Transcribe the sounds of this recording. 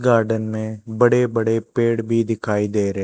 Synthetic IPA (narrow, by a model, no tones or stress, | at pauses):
ɡaːɾɖənmẽːbəɽeːbəɽeːpeːɽbʱiːd̪ɪkʰaːiːd̪eːɾ